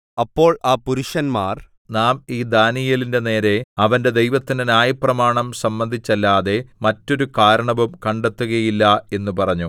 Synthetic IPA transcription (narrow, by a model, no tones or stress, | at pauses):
ɐpːo̞ːɭaːpuɾuʂɐnma̰ːr | naːmiːd̪aːnijelinde̞ne̞ːɾe̞ɐʋɐnde̞d̪e̞jʋɐt̪ːinɨnjaːjɐprɐmaːɳɐmsɐmbɐnd̪ʱit͡ɕːɐlːaːðe̞mɐtːo̞ɾukaːɾɐɳɐʋumkɐɳɖet̪ːuɣɐjilːɐe̞nːupɐrɐɲːu